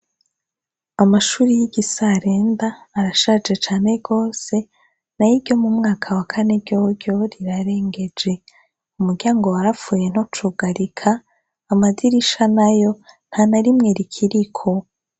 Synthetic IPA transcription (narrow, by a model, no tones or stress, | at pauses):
amaʃuːɾijiɡisaɾe̞ːndaːɾaʃaːd͡ʒe̞t͡ʃaːne̞ɡo̞ːse̞ | najiɟo̞mumŋaːkʰawakʰane̞ɟoɾɟoɾiɾaɾe̞ːŋɡe̞d͡ʒe̞ | umuɾɟaːŋɡo̞waɾafuːje̞n̥hot͡ʃuɡaɾikʰaː | madiɾiʃanajo̞n̥hanaɾimŋe̞ɾikʰiɾikʰo̞